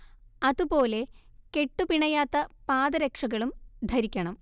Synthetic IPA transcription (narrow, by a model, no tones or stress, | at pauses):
ɐðupo̞ːle̞ke̞ʈːupiɳɐjaːt̪ːɐpaːðɐɾekʂɐɣɐɭumd̪ʱɐɾikʲːɐɳɐm